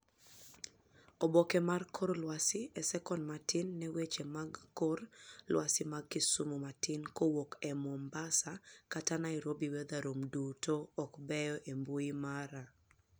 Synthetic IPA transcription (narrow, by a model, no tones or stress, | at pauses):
ɔbɔkɛmarkʰoɾlwasɪɛsɛkɔnmatɪnːɛwet͡ʃemaɡkorlwasɪmaɡ̚kɪsumumatɪnkowokɛmɔmbasakatanaiɾobiwɛd̪aɾomdutoːkbɛjɔʔembuimaɾa